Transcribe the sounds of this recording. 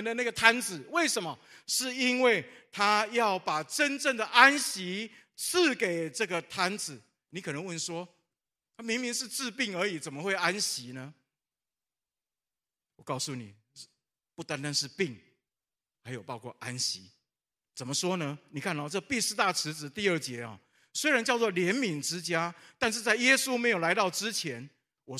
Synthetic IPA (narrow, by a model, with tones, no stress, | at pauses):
nd̪ə˨na˥˩ɡə˩t̪ʰa˦nt͡sɹ̩˨˩we˥˩ɪʂə˨˦nmɐ˨ʂɻ̩˥˩i˦˥nwe˥˩ɪt̪ʰa˦jɑ˥˩ʊpa˨˩ʈ͡ʂə˦nʈ͡ʂə˥˩ŋd̪ə˩ʔa˦nɕi˧˦ | t͡s̩ʰ˥˨ke˨˩ɪʈ͡ʂə˥˩ɡə˨t̪ʰa˥nd͡zɹ̩˨˩˦ | ni˨˥kʰɤ˨nə˧˦ŋwə˥˩nʂwɔ˦ | t̪ʰa˥mi˧˥ŋmi˧˥ŋʂɻ̩˥˧t͡sɹ̩˥˧pi˥˩ŋə˞˧˥i˨˩t͡sə˨˩nmə˦xwe˥˩ɪa˦nɕi˧˦nə˧˦ | wɔ˨˩kɑ˥˧ʊsu˥˩ni˨˩ | pu˥˩t̪a˦nt̪a˦nʂɻ̩˥˧pi˥˩ŋ | ha˧˥ɪjo˨˩ʊpɑ˥ʊkʰɔ̰˥˧˩ʔa˦nɕi˨˧˦ | t͡sə˨˩nmə˦ʂwɔ˦nə˧ni˨˩kʰa˥˩n˥˨˩ʈ͡ʂə˥˩ɡə˩pi˥˧ʂ̩˥t̪a˥˩ʈ͡ʂʰɻ̩˧˦t͡sɹ̩˨˦t̪i˥˧ə˞˥˩t͡ɕjɛ˨˦ɔ̰˨˩ | swe˥ɪɻa˧˦nt͡ɕjɑ˥˧ʊt͡swɔ˥˩ljɛ˧˦nmi˨˩˦ŋʈ͡ʂɻ̩˦t͡ɕja˦t̪a˥˧nʂ̬ɻ̩˥˧t͡sa˥˩ɪjɛ˦˥su˦me˧˥ɪjo˨˩la˧˥ɪt̪ɑ˥˩ʊʈ͡ʂɻ̩˦t͡ɕʰjɛ˨˧˦n | wɔ˨˩